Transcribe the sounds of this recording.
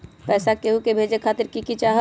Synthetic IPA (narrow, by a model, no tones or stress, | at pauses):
pɛːsakeɦukebʱeːd͡ʒekʰaːt̪ɪɾkikit͡ʃaːɦ